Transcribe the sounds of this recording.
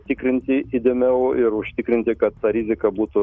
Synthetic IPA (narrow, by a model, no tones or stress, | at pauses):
t̪ʲɪkɾʲɪnʲt̪ʲɪɪd̪ʲɛmʲɛʊɪɾʊʃʲt̪ʲɪkɾʲɪnʲt̪ʲɪkɐt̪t̪ɑɾʲɪzʲɪkɐbuːt̪ʊ